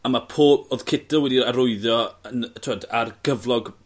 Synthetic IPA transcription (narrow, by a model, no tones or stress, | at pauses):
amapʰoːoːðkʰɪdəwɛdiaɾʊɨðjɔəntʰɪɔdarɡ̥əvlˠɔɡ